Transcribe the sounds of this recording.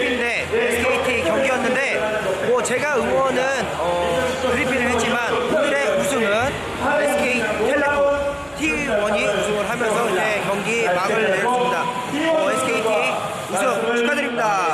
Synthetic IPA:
ne̞ | esʰɯkʰeitʰikjʌŋɡiʌnːɯnde̞ | mwʌt͡ɕe̞ɡaɯŋwʌnɯnʌkɯɾipʰiɾɯɭɦett͡ɕ͈imankudɯɾe̞usʰɯŋɯn | esʰɯkʰeiihʰe | tʰiɡwʌɲiusʰɯŋɯɭɦamjʌnsʰʌid͡ʑe̞kjʌŋɡimaɡɯɭneɾjʌɯmɲida | ʌesʰɯ̥kʰeitʰi | usʰɯŋsu̥k͈ʰadɯɾit͈a

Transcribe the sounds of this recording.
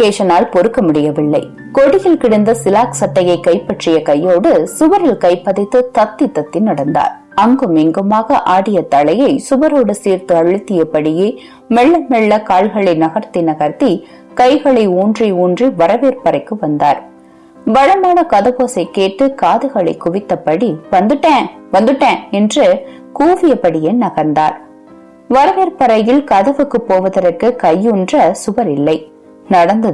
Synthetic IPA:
ʈeːʂɐnaːlpɔɾɯkːɐmʊɽɪjɐʋɪɭːɐɪ | kɔɽɪjɪlkɪɽɐnd̪ɐsɪlaːksɐʈːɐjɐɪkːɐɪpːɐʈrɪjɐkɐjːoːɽɯsʊʋɐɾɪlkɐɪpːɐðɪt̪ːɯt̪ɐt̪ːɪt̪ːɐt̪ːɪnɐɽɐnd̪a̰ːɾ | ɐŋɡɯmeŋɡɯmaːɣɐʔaːɽɪjɐt̪ɐɭɐjɐɪsʊʋɐɾoːɽɯsiːɾt̪ɯɐɻɯt̪ːɪjɐpɐɽɪjeː | mɛɭːɐmɛɭːɐkaːɭɣɐɭɪnɐɣɐɾt̪ːɪnɐɣɐɾt̪i | kɐɪɣɐɭɐɪuːndriuːndriʋɐɾɐʋeːɾpɐɾɐɪkːɯʋɐnd̪aːɾ | ʋɐɻɐmaːnɐkɐðɐʋoːsɐɪkeːʈːɯkaːðɯɣɐɭɐɪkʊʋɪt̪ːɐpːɐɽiʋɐnd̪ɯʈːãʋɐnd̪ɯʈːãːɛndrɯ | kuːʋɪjɐpːɐɽɪjenɐɣɐɾnd̪aːɾ | ʋɐɾɐʋeːɾpɐɾɐjɪlkɐðɐʋɯkːɯpːoːʋɐðɐɾɐrkɯkɐjːɔndrɐsʊbɐɾɪlːɐɪ | nɐɽɐnd̪ɐ

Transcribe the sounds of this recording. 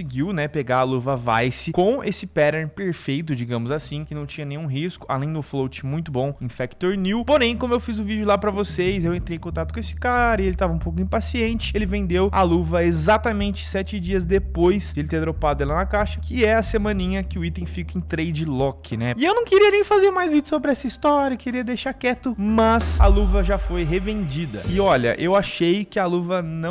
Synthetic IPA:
ɪɡiwnɛpeɡaɐluvɐva̰jsɪkõesɪpɛɾɛɾpeɾfejt̪ʊd͡ʒiɡɐ̃mʊzasĩkɪnɐ̃w̃t͡ʃĩɲɐnẽj̃ũɦiskʊ̥a̰lẽj̃d̪ʊflowt͡ʃɪ̥mũj̃t̪ʊbõĩfɛkt̪oɾniwpoɾẽj̃kõmʊewfizʊvid͡ʒʊlapɾɐvosejzewẽnt̪ɾejẽkõt̪at̪ʊkõesɪ̥kaɾɐɪelɪt̪avɐũpowk̬ʊĩpasiẽnt͡ʃɪ̥elɪvẽnd̪ewɐ̰luvɐezat̪ɐmẽnt͡ʃɪ̥sɛt͡ʃɪd͡ʒiɐzd̪epojsd̪elɪt̪eɾd̪ɾopad̪ʊɛlɐnɐkaʃɐ̥kɪɛɐsemɐ̃nĩɲɐkɪʊit̪ẽj̃fikɐẽj̃t̪ɾejd͡ʒɪlɔkʰɪnɛɪewnɐ̃w̃keɾiɐnẽj̃fazeɾmajzvid͡ʒʊsobɾɪɛsɐist̪ɔɾjɐekɪɾiɐd̪ejʃaɾkɛt̪ʊmɐsɐ̰luvɐʒafojɦevẽnd͡ʒid̪ɐ̰ɪɔʎɐ̰ʔewaʃejkɪɐluvɐnɐ̃w

